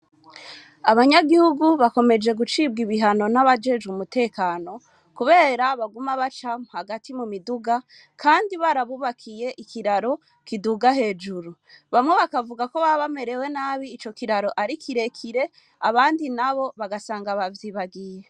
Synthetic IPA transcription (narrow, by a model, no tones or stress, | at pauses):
aβaɲaɡihuɡuβako̞me̞d͡ʒe̞ɡut͡ʃib̚ɡiβiɦano̞naβad͡ʒe̞d͡ʒumute̞ːkaːno̞ | kuβe̞ːɾaβaɡumaβat͡ʃamuhaɡatʰimumiduɡa | kʰaːndiβaɾaβuβakʰije̞ʔikiɾaɾo̞ | kiduɡaɦe̞ːd͡ʒuɾuβamŋe̞βakavuɡako̞βaβame̞ɾe̞we̞naːβiːt͡ʃo̞kiɾaɾo̞ʔaɾikʰiɾe̞kʰiɾe̞ | aβaːndinaβo̞βaɡasaːŋɡaβavjiβaɡije